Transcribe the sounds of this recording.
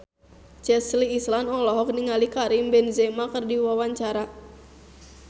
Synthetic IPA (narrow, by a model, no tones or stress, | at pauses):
t͡ʃɛsliːslanɔlɔɦɔk̚niŋalikaɾimbɛnzɛmakərdiwawaɲt͡ʃaɾa